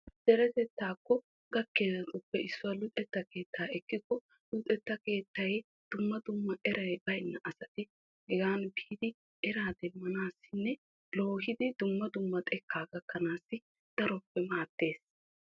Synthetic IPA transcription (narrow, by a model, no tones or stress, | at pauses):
d̪̥ɛɾɛt̪ɛt̪ːaːkːɔ | ɡɐkːeːzɐt̪ʊpːɛʔɪsːʊɐlʊt̪ʼɛt̪ːɐke̞ːt̪ːaːɛkːɪkːɔ | lʊt̪ʼɛt̪ːɐke̞ːt̪ːɐj | d̪̥ʊmːɐd̪ʊmːɐʔɛɾɐjbɐjnːɐʔɐsɐt̪ɪ | hɛɡaːnbiːd̪ɪ | ɛɾaːd̪ɛmːɐnaːsːɪnːɛ | lo̞ːhɪd̪ɪd̪ʊmːɐd̪ʊmːɐt̪ʼɛkʰːaːɡɐkːɐnaːsːɪ | d̪̥ɐɾɔpːɛmaːt̪ːe̞ːs